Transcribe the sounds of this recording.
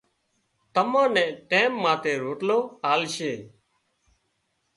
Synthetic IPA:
t̪əmãːnɛ̃ːʈeːmːãːt̪eːɾoːʈloːaːlʃeː

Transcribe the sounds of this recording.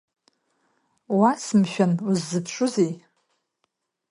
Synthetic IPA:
wasɨmʃᶣanuzːɨpʰʂʷʊzej

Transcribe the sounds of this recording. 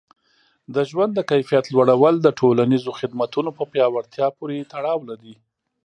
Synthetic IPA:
d̪əʒwand̪ːəkajfijat̪lwaɽawəld̪əʈʰolanizoxɪd̪mat̪unopəpjɑwaɾt̪jɑpoɾet̪aɽɑwlaɾi

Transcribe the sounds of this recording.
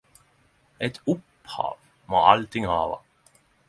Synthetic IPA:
ɛt̪ʰʊp | hɑ̰ːʋ | moːalt̪ʰɪŋhɑːʋa̰

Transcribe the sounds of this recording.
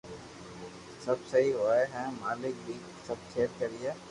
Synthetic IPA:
sɐbsɐɦiɦoːeɦɛ̃ːmaːlɪk̚bʱiː | səb̚tʰeːɾkəɾɪjeː

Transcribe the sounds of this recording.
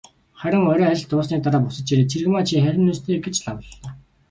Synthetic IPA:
χæɾʲɪ̆ŋɔɾʲœːæɾʲɪ̆ɬt̪ʊːsniːk̚t̪aɾaːpʊsə̆t͡ɕ̪t͡ɕiɾeːt͡sʰerɣɘ̆maːt͡ɕʰiːχæɾʲɪ̆nːuːst̪ʰeːɡet͡ɕɮawə̆ɮːaː

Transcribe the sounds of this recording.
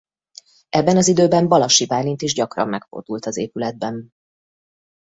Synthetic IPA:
ɛbːɛnɒzid̪øːbɛmbɒlɒʃibaːlint̪iʒɟɒkrɒ̰mːɛkfo̰d̪ult̪ɒzeːpylɛd̪̚bɛn

